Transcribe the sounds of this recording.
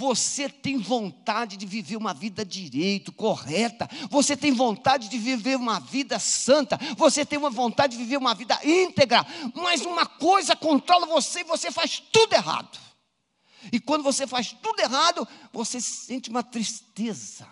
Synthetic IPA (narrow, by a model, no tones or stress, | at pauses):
voset̪ẽj̃võnt̪ad͡ʒɪd͡ʒɪviveɾũmɐvid̪ɐd͡ʒiɾejt̪ʊkohɛt̪ɐvoset̪ẽj̃võnt̪ad͡ʒɪd͡ʒɪviveɾũmɐvid̪ɐsɐ̃nt̪ɐvoset̪ẽj̃ũmɐvõnt̪ad͡ʒɪd͡ʒɪviveɾũmɐvid̪ɐ̰ʔĩt̪eɡɾɐmɐzũmɐkojzɐkõnt̪ɾɔlɐvoseɪvosefast̪ud̪ʊeɦa̰d̪ʊ̥ | ɪkwɐ̃d̪ʊvosefast̪ud̪ʊeɦad̪ʊvosesẽnt͡ʃɪũmɐt̪ɾist̪ezɐ̰